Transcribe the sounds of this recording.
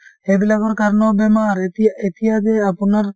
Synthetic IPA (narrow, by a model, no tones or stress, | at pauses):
ebilaɡɔɾkaɾnɔbemaɾet̪iɦad͡ʒeapunaɾ